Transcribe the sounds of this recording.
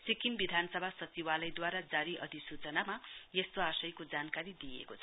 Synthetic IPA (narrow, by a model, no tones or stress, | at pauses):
sikinbid̪ʱanʌsʌbʱasʌt͡siwalʌjd̪waɾad͡zaɾiʔʌd̪ʱisut͡sʌnamajest̪oasʌjkod͡zankaɾid̪iḛkot͡sʰʌ